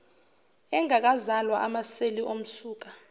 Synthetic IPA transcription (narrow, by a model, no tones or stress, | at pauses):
ɛŋʱak̬ʼazalwaʔamaseliʔom̩suːk̬ʼa